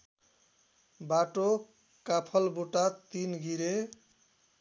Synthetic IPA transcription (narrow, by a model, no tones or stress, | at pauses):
baʈo | kapʰʌlbuʈat̪inɡʱiɾe